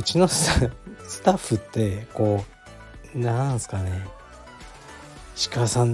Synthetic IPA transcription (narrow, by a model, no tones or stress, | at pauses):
ɯt͡ɕino̞ssɨ̥t̪aɸːɯ̟t̪ːe̞ko̞ː | nãsɨ̥kane̞ | ɕi̥kasãn